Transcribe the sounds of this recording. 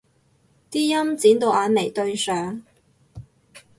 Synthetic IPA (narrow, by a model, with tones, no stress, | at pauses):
t̪iː˥jɐ˥mt͡siː˨˥nt̪o˨˧wʔaː˨˧nme˨˩jt̪ɵ˧ɥsœː˨˥ŋ